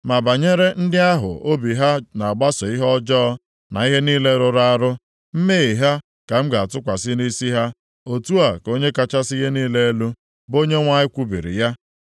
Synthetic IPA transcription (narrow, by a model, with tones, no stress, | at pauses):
ma˨ba˨ɲe˦ɾe˦n̩˦dɪ˦a˦ɦʊ̰˨o˦bi˨ɦa˦na˨a˨ɡ͡ba˦sɔ˨i˦ɦɔ˦d͡ʒɔː˦ | na˨i˦ɦe˦niː˦le˦ɾʊ˨ɾa˦a˦˨ɾʊ˦ | m̩˦me˦i˨ɦa˦ | ka˨m̩˦ɡa˨a˨tʊ˦kʷa˨sɪ˦ni˦si˦ɦa˦ | o˨tu˦a˨ko˦ɲe˦ka˨t͡ʃa˦si˦ɦe˦niː˦le˦lu˦ | bo˦ɲe˦ŋʷa˦ɲɪ˦kʷu˦bḭ˨ɾḭ˨ja˦